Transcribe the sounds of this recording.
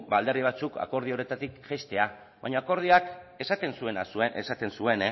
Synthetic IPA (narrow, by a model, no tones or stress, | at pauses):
bald̪e̞riβ̞at͡suka̰ko̞ɾð̞io̞ɾe̞t̪at̪ikʝest̪e̞a | βaɲoako̞ɾð̞iak | e̞sat̪e̞nsue̞nasueesat̪e̞nsue̞n